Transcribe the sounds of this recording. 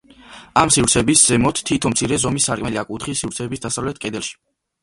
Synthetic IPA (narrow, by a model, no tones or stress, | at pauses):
amsivɾt̪sʰɛbisz̥ɛmɔt̪ʰt̪ʰːit̪ʰɔmt̪sʰiɾɛzɔmisːaɾkʼmɛliakʼut̪χisivɾt̪sʰɛbisd̪asavlɛt̪̚ʰkʼɛd̪ɛlˠʃi̥